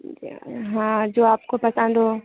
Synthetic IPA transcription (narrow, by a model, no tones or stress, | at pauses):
ɦãːd͡ʒoːaːp̚kopɐsə̃nd̪oː